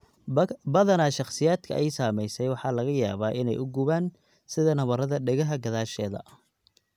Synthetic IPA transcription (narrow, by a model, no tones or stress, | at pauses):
bɐðɐnɐʃɑχsɪjaːd̪kʰɐ̰ʔɛjsaːmɛjsɛjwɑħɑːlɐɣɐjaːβaːʔɪnɛ̰jʔʊɡuβaːn | sɪðɐnɐβɐɾɐðɐɖɛɣɐɦɐɡɐðaːʃɛːðɐ̰